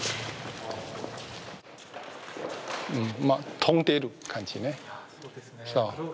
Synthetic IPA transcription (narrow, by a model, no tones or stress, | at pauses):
m̩mãt̪ʰoŋt̪eɾukʰant͡ɕʰinẽ | sa